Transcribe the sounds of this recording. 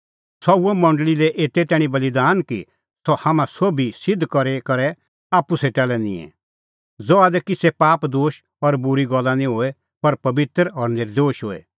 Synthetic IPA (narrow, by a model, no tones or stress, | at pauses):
sɔuɔmɔ̃ɳɖlilɛʔeːt̪ɛt̪ɛːɽ̃ĩbɐlid̪aːnkḭ | sɔhamãsoːbisɪd̪ʱːkɔɾekɐɾɛ | aːpːuseːʈalɛnḭ̃ːɛ̰̃ | d͡zoaːd̪ɛkisɛpaːpd̪oːʃ | ɔɾbʊɾiɡɔlːanĩɦoːɛ | pɐɾpɐbɪt̪ɾɔɾnɪɾd̪oːʃɦoːɛ̰